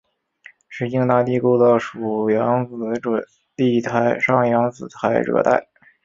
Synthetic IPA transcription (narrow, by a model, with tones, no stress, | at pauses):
ʂɻ̩˥˩i˥˧ŋt̪a˥˧t̪i˥˧ko˥˧d̪ə˧˩ʂu˨˩jɑ˧˥ŋt͡s̩˨˧˩ʈ͡ʂə˨˩n | t̪i˥˩t̪ʰa˧˥ɪʂɑ˥˩ŋjɑ˧˥ŋt͡sɹ̩˨˩t̪ʰa˧˥ɪɻɤ̰˥˩t̪a̰˥˩ɪ